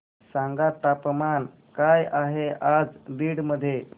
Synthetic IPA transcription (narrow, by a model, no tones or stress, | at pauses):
sãŋɡat̪apman | kajaɦead͡zdiːɽməd̪ʱːje